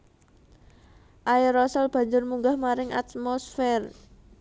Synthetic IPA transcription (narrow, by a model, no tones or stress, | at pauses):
ʔairɔsəlb̥a̤ɲd͡ʒʊrmuŋɡahmaɾɪŋa̰t̪̚mɔsfɛr